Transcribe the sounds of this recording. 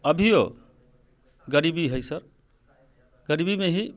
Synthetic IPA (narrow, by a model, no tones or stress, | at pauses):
əbʱijo | ɡəɾibiɦojsəɾ | ɡəɾibimeɦi